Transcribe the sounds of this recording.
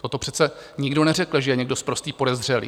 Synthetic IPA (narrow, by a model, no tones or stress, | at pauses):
t̪ot̪o̞pr̥ɛt̪t͡sɛɲɪɡdo̞nɛrɛkl̩ʒɛjɛɲɛɡdo̞spɾost̪iːpo̞dɛzr̝ɛlḭː